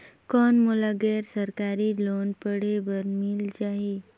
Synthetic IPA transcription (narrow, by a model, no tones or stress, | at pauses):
kɔnmulaɡɛɾsəɾkaɾiːlonpəɽeʋəɾmild͡ʑaɦe